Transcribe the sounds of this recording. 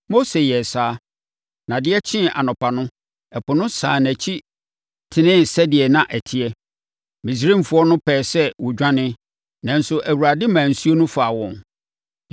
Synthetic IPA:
mo˦se˨jɛ˨saː˦ | nã˨dɪ˦ɛ˦t͡ɕʰɪ̃˦ʔa̰˨nʊ̃˨pʰa˨nʊ̃˦ | ɛ˨pʰʊ˨nʊ̃˦saː˨næ˨t͡ɕʰi˦ | tʰɪ˨nɪ̃˦n̩˨sɛ˦dɪ˨ɛ˨nã˨ʔæ˨tʰɪ˨˦ɛ˦ | mĩ˨s̬ɾĩ˦m̩˨fʊ˨˦ɔ˦nʊ̃˦pʰɛː˨sɛ˦wʊ˨d͡ʑᶣã˦nɪ̃˦ | nã˨n̩˦sʊ˦ʔæ˨wu˨ɾa˨dɪ˦mãː˨n̩˨su˦o˦nʊ̃˦faː˨wɔ̃˨n

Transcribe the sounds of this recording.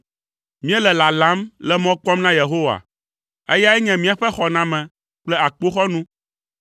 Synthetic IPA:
mĩ˦ɛ˦lɛ˨la˨la˨˦mlɛ˦mɔ̃˦k͡pɔ˦mnã˦je˨ɦo˦wa̰˨ | ḛ˦ja˦ɛ˦ɲɛ̃˨mĩ˦a˨ɸɛ˦xɔ˨nã˦mɛ̃˨ | k͡plɛ˦a˨k͡po˦xɔ˦nũ˦

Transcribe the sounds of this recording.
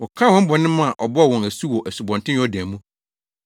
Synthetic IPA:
wɔ˨kʰã˦wɔ̃˦m̩˦bɔ˨nɪ̃˦mã˦a˨ʔɔ˨bɔ˦˨wɔ̃˨næ˨su˦wɔ˨ʔæ˨su˨bɔ̃˨ntɪ̃˦ɔ˦dæ̃ː˨mũ˦

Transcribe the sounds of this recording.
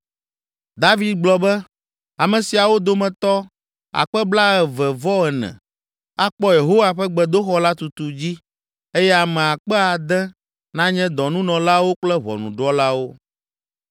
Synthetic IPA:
d̪a˦vi˨d̪̚ɡ͡blɔ˨bɛ˦ | a˨mɛ̃˨si˨a˨wo˦d̪o˦mɛ̃˨t̪ɔ˦ | a̰˨k͡pɛ˦bla˦ɛ˨vɛ˨vɔ˦ɛ˨nɛ̰̃˨ | a˦k͡pɔ˦je˨ɦo˦wa˨ɸɛ˦ɡ͡bɛ˨d̪o˦xɔ˦la˦t̪u˨t̪u˨d͡ʑi˦ | e˦jɛ˦a˨mɛ̃˨a˨k͡pɛ˦a˨d̪ɛ˦ | nã˦ɲɛ̃˦d̪ɔ˨nũ˦nɔ̃˨la˦wo˦k͡plɛ˦βɔ̰˨nṵ̃˨ɖɔ˦la˦wo˦

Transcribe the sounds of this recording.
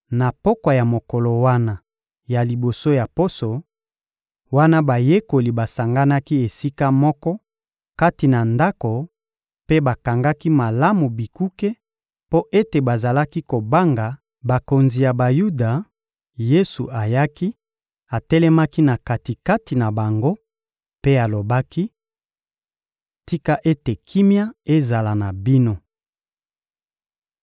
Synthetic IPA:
na˨po˦ka˨ja˨mo˨kɔ˨lo˨wa˦na˦ | ja˨li˨bo˨so˦ja˨po˦so˨ | wa˦na˦ba˨je˦ko˨li˨ba˨sa˨ŋɡa˦na˦ki˦e˨si˦ka˦mɔ˦kɔ˦ | ka˦ti˨na˨nda˦ko˨ | pe˦ba˨ka˨ŋɡa˦ki˦ma˨la˦mu˨bi˨ku˦ke˦ | po˦ʔe˦te˨ba˨za˨la˦ki˦ko˨ba˦ŋɡa˨ | ba˨ko˨nzi˨ja˨ba˨ju˦da˨ | je˦sṵ˨ʔa˨ja˦ki˦ | a˨tɛ˦lɛ˦ma˦ki˦na˨ka˨ti˨ka˦ti˨na˨ba˨ŋɡo˦ | pe˦a˨lo˨ba˦ki˦ | ti˦ka˦ʔe˦te˨kʰi˦mja˦e˦za˨la˨na˨bi˦no˦

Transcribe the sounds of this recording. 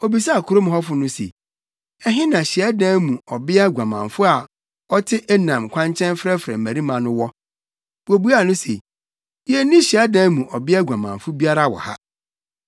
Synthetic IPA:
o˨bi˨sa˦˨kʰu˨ɾo˦m˨ɔ˦fʊ˨˦nʊ̃˦sḛ˨ | ɛ˦ɦɪ̃˦nã˨ɕi˨ɛ˦dã˦mũ˨ɔ˨bɪ˦a˦ɡʷã˨mã̰˨ɱfʊ˦a˨ | ɔ˦tʰɪ˦ʔɛ˦nã˨mkʷʰã˦ɲt͡ɕʰɛ̃˦nfɾɛ˦fɾɛ̰̃˨mæ̃˨ɾi˦mã˨nʊ̃˦wɔ˦ | bo˨bu˦a˨nʊ̃˦sḛ˨ | jɛ˦nĩ˦ɕi˨ɛ˦dãː˦mũ˨ʔɔ˨bɪ˦a˦ɡʷã˨mã̰˨ɱfʊ˦bi˦a˦ɾa˦˨wɔ̰˨ha̰˦

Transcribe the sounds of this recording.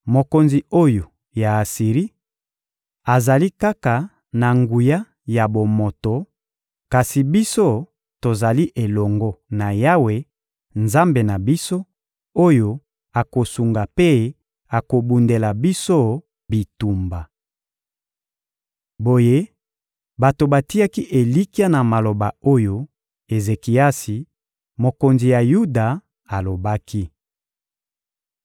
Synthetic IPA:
mo˨ko˨nzi˨o˦jo˨ | ja˨a˨si˨ʁi˦ | a˨za˨li˦ka˦ka˨ | na˨ŋɡu˨ja˦ | ja˨bo˨mo˨to˨ | ka˨si˨bi˦so˦ | to˨za˨li˦ʔe˨lɔ˨ŋɡɔ˦na˨ja˦we˨ | nza˦mbe˨na˨bi˦so˦ | o˦jo˨ | a˨ko˨su˨ŋɡa˨pe˦ | a˨ko˨bu˨nde˨la˨bi˦so˦ | bi˨tu˨mba˨ | bo˨je˦ | ba˨to˨ba˨ti˦a˦ki˦ʔe˨li˦ki˦a˦na˨ma˨lo˨ba˨o˦jo˦ | e˨ze˨ki˨a˦si˨ | mo˨ko˨nzi˨ja˨ju˦da˨ | a˨lo˨ba˦ki˦

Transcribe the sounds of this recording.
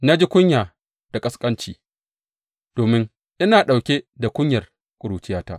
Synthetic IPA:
na˦d͡ʒi˦kʷʊ˦ɲjaː˨ | d̥a˨kʼɐ˦skʼɐ˦nt͡ʃiː˨ | d̥oː˨mɪ˦ŋ | ʔɪ˦naː˨ɗa˨wkʲe˦da˨kʷʊ˦ɲjɐ˨r | kʷʼʊ˨ɽuː˨t͡ʃɪ˦jaː˦ta̰ː˦

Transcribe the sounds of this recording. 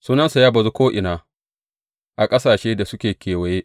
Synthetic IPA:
suː˦nɐ˦nsu˨jaː˦bɐ˨zu˦kʷoː˦ʔɪ˨naː˨ | ʔa˨kʼɐ˦saː˨ʃeː˦da˨sʊ˦kʲeː˨kʲeː˨wɐ˨jeː˦ʔ

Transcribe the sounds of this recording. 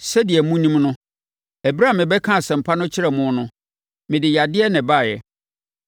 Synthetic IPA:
sɛ˦dɪ˨ɛ˨mũ˦nĩ˦mnʊ̃˦ | æ˨bɾa˦˨mɪ̃˨bɛ˦kʰã˦˨sɛ̃˨m̩˨pʰa˦nʊ̃˦t͡ɕʰɪ˦ɾɛ˨mʊ̃˦nʊ̃˦ | mɪ̃˨dɪ˨ja˨dɪ˦ɛ˦nɪ̃˨ba˦˨jɛ̰˨

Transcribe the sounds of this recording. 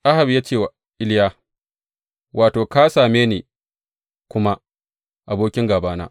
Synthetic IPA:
ʔa˦ha˨bjaː˦t͡ʃeː˦˨wa˨ | ʔɪ˦ljaː˦ | wʔaː˨toː˨ka˦saː˨meː˦neː˨ | kʷʊ˦ma˦ | ʔa˨boː˦kʲɪ˦ŋɡaː˨baː˦na̰ː˦

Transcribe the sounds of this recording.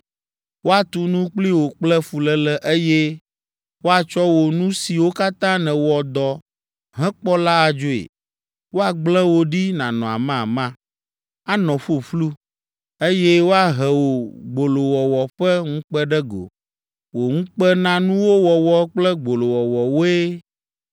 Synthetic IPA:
wo˦a˨t̪u˦nũ˦k͡pli˦wo˨k͡plɛ˦fu˨lɛ˦lɛ˦ʔe˦jɛ˦ | wo˦a˨t͡ʃɔ˦wo˨nũ˦si˨wo˦ka˦t̪ã˦nɛ̃˨wɔ˨d̪ɔ˨ | ɦɛ̃˦k͡pɔ˦la˦a˨d͡ʒo˦ḛ˨ | wo˦a˨ɡ͡blɛ̃˦wo˦ɖi˦nã˨nɔ̃˨a̰˨mã˦˨mã˦ | a˦nɔ̃˨ɸo˦flu˦ | e˦jɛ˦wo˦a˨ɦɛ˨wo˨ɡ͡bo˨lo˨wɔ˨wɔ˨ɸɛ˦ŋ̩̃˦k͡pɛ˦ɖɛ˦ɡo̰˨ | wo˨ŋũ˦k͡pɛ˦nã˦nũ˦wo˦wɔ˨wɔ˦k͡plɛ˦ɡ͡bo˨lo˨wɔ˨wɔ˨wo˦e˦

